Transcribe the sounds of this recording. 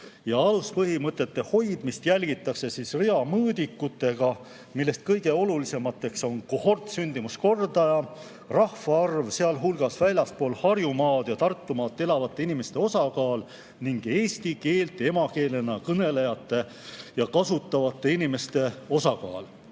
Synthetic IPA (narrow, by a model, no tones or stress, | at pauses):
jɑɑluspɤɦimɤt̪ːˑe̞t̪ːe̞ho̞jd̪̥mist̪jælʲɡ̥it̪ːˑɑkse̞sisreɑmɤːd̪ikːˑut̪ːˑe̞ɡ̥ɑ | milːe̞st̪̚kɤjɡ̥e̞o̞lulise̞mɑt̪ːˑe̞kso̞nkoho̞rt̪synd̪imusko̞rd̪ɑjɑ | rɑhvɑɑrvse̞ɑlɦulɡ̥ɑsvælʲjɑspo̞ːlhɑrjumɑːd̪̥jɑt̪ɑrt̪ːumɑːt̪ːe̞lɑvɑt̪ˑːe̞inime̞st̪e̞o̞sɑkɑːl | niŋɡ̥e̞ːsʲt̪ike̞ːlt̪e̞mɑke̞ːle̞nɑkɤne̞lejɑt̪ːˑe̞ | jɑkɑsut̪ːˑɑvɑt̪ˑːe̞inime̞st̪e̞o̞sɑkɑ̰ːl